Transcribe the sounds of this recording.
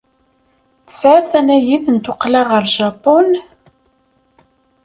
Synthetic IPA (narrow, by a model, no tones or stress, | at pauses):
θə̥sʕaθænæjiðənt̪ʊqlaʁəɾˤʒɑpon